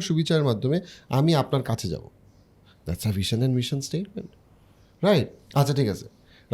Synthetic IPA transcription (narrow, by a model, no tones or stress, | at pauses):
ʃubit͡ɕɕaɾeɾmad̪ʱːomeamiapnaɾkat͡ɕʰed͡ʑa̰bo̰ | d̪æʈsəviʃənɛ̃ɳɖmiʃənsʈejʈ̚mḛ̃ɳʈ | ɾajʈ̚atːɕʰaʈʰikat͡ɕʰe̥ | ɾ